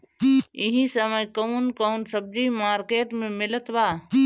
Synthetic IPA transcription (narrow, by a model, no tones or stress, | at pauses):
ɪɦĩsəməjkəunkonsəb̚d͡ʒimaːɾkeːʈmẽmɪlət̪ʋaː